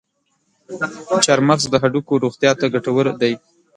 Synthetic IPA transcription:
t͡ʃaɾmaɣzd̪əɦaɖukoɾoɣt̪jɑt̪aɡaʈawəɾd̪aj

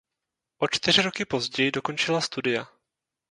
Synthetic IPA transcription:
ʔo̞t͡ʃt̪ɪr̝ɪɾo̞kɪpo̞zɟɛjɪdo̞ko̞nt͡ʃɪlast̪udɪja

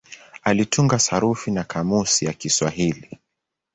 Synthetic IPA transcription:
alituŋɡasaɾufinakʰamusijakiswaɦili

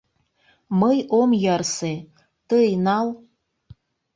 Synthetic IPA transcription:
məjomjɑrse | t̪əjnɑl

